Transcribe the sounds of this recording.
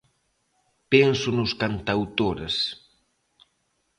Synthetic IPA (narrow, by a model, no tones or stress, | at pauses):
pensʊnʊskant̪awt̪oɾes